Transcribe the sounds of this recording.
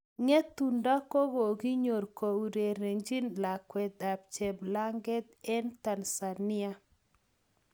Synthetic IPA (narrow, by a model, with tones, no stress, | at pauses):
ŋɛ˦t̪u˨nda˦ko˦ɡo˨ɡi˦ɲo˨ɾko˨u˨ɾe˨ɾe˨ŋd͡ʒi˦nla˨kwɛ˨d̪a˨b̚t͡ʃɛ˨bla˦ŋɡɛ˦t̪ɛ˦nt̪a˨nsa˨nɪ˦a˦